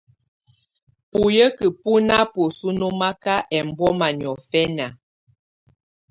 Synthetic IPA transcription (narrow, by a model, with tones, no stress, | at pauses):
pu˨jə˦kə˨pu˦na˦pu˨su˦no˦ma˦ka˦ʔɛ˨m˨bɔ˦ma˨ɲ˨ɔ˨fɛ˦na˨